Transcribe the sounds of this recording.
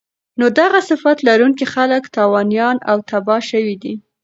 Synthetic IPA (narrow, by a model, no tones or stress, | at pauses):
nod̪aɣasɪfat̪laɾuŋkixaləkt̪ɑwɑnjɑna̰wt̪abɑʃəwid̪i